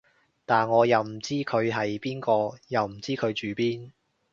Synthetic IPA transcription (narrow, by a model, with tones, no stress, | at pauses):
t̪aː˨nŋɔː˨˧jɐ˨wm̩˨˩t͡siː˥kʰɵ˨˧ɥɦɐ˨jpiː˥nkɔː˧jɐ˨wm̩˨˩t͡siː˥kʰɵ˨˧ɥt͡ʃyː˨˧piː˥n